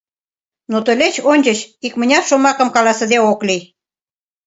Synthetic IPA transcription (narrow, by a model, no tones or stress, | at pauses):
not̪ə̆lʲet͡ɕonʲt͡ɕət͡ɕikmə̆nʲɑfʃomɑkə̆mkɑlɑsə̆d̪eokli